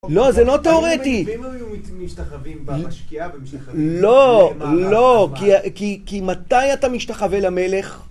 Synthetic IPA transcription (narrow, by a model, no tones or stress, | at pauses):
lo̞zelo̞t̪eoʁet̪ijut̪imki | lolokikikimat̪ajat̪amiʃt̪aχavelame̞le̞χ